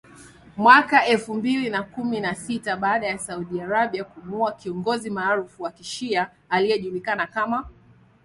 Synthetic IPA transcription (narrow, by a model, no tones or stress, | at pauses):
mwakaɛlfumbilinakuminasitaɓaːɗajasauɗiaɾaɓiakumuakiɔŋɡɔzimaːɾufuwakiʃiaː | lijɛʄulikanakama